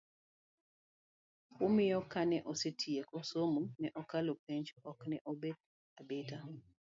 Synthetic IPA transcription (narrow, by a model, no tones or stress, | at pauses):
ʊmɪjɔkanɛʔosetʰiekosomunɛʔɔkalopeɲt͡ʃɔknɛʔobed̚ | abeta